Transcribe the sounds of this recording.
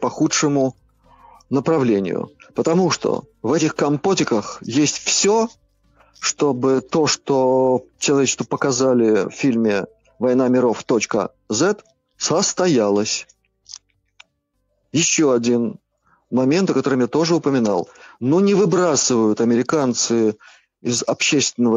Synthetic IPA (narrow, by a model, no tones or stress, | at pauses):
pɐxutʂɨmʊ | nəpɾɐvlʲenʲɪ̰jʊ̰pət̪ɐmuʂt̪o̰vɛtʲɪxkɐmpotʲɪkəxjesʲtʲfsʲo | ʂt̪o̞bɨt̪o̞ʂt̪o̞t͡ɕɪlˠɐvʲet͡ɕɪ̥st̪vəpəkɐzalʲɪffʲilʲmʲɪ | vɐjnamʲɪɾo̞ft̪o̞t͡ɕkə̰ | zɛt̪ | səst̪ɐjalˠəsʲ | jɪɕːo̞ɐdʲin | mɐmʲent̪əkɐt̪o̞ɾɨmjat̪o̞ʐɨʊpəmʲɪna̰lˠnonʲɪvɨbɾasɨvəjʊt̪ɐmʲɪɾʲɪkant̪sɨ | ɪzɐpɕːest̪vʲɪnːəvə